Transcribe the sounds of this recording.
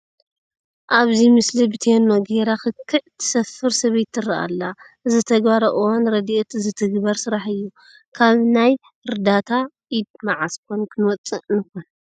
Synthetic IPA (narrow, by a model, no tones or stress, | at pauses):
ʔaβzimɨslibɨt̪ʰenːoɡeɾaxɨkʰːɨʕt̪ʰɨ̥sɐfɨɾsɐβejt̪ʰːɨrɐʔa̰lːaʔɨzɨt̪ʰɐɡbaɾɐʔɨwonɾɐd̪iʔet̪ɨzɨt̪ʰɨɡbɐɾsɨɾaħɨjːu | kʰaβnaj | ɨɾd̪at̪ʰaʔid̪̚maʕaskʰonkʰɨnwɔt͡sʼːɨʔnɨxon